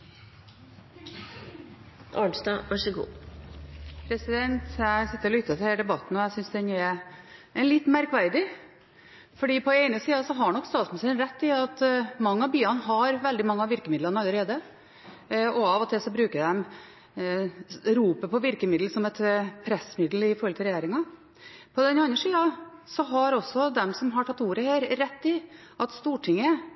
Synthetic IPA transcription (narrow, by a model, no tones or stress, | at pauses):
ʔɑːɳsd̪ɑʋæʂəɡṵː | pʰɾɛsɪd̪ɛnt̪ʰjæɪsɪt̪ːəɾɔlʏt̪ːət̪ʰɪhɛːɖ̪ɛbɑt̪ːn̩ɔæsʏnsd̪ɛnɛɾɛlɪt̪ːmæɾkʋæɾd̪ɪ | fɔɖiːpʰɔɛɪnəsiːɑsɔɦɑɳɔkːst̪ɑːt̪smmnsɛnɾɛt̪ːɪɑt̪mɑŋːəɑbyːɑnɦɑɾʋɛld̪ɪmɑŋːəɑʋɪɾkəmɪd̪lənɑləɾeːd̪ə | ɔɑʋɔt̪ʰɪsɔbɾʉːkəɖɛm | ɾuːpəpʰɔʋɪɾkəmɪd̪l̩sɔmɛt̪pʰɾɛsmɪd̪l̩ɪfɔɾhɔlt̪ʰəɾɛjeːɾɪŋɑ | pʰɔd̪ɛnɑnːəʂiːɑsɔɦɑɾɔsːɔd̪ɛmsɔmɦɑʈʰɑt̪ːuːɾəheːɾɾɛt̪ːɪ | ʔɑt̪st̪uːʈʰɪŋːə